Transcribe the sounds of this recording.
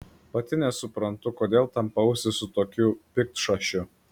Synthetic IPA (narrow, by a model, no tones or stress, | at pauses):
pɐt̪ʲɪnʲɛsʊpɾɐnt̪ʊkoːd̪ʲeːlˠt̪ɐmpɐʊsʲɪsʊt̪oːkʲʊpʲɪk̚t̪ʃɐʃʲʊ